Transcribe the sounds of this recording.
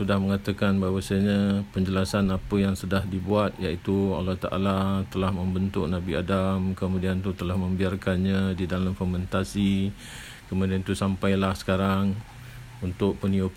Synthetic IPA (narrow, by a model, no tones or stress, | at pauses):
sudahməŋat̪əkanbaɦwasaɲãpəɲd͡ʒəlasanapəjaŋsədahdibuat̪̚jaʔit̪ua̰laht̪a̰ʔa̰lat̪əlahmə̃mbənt̪ʊk̚nabiadamkəmudiant̪ut̪əlahmə̃mbiarkanɲadidalamfɔmənt̪asi | kəmudiant̪usampajlahsə̥kaɾaŋ | unt̪ʊk̚pənio